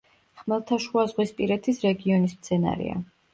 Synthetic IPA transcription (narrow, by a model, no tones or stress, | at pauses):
χmɛlˠt̪ʰaʃuazʁwispʼiɾɛt̪ʰisɾɛɡiɔnismt̪sʰɛna̰ɾḭa̰